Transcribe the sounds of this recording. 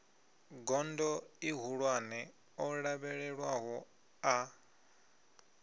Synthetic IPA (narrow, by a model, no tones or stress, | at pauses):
ɡɔndɔiɦuɺwanɛ | ɔɺaβɛɺɛɺwaɦɔ | a